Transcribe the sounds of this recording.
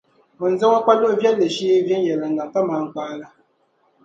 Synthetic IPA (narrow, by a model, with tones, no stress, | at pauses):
mɨ˨n̩˨˦za˦ŋa˦k͡pa˦lo˦˨vjɛ˦lːɨ˨ʃi˦vjɛ˦n˦jɛ˨la˨n̩˨na˨ta˦maː˨˦ŋ̩˨k͡paː˦la˦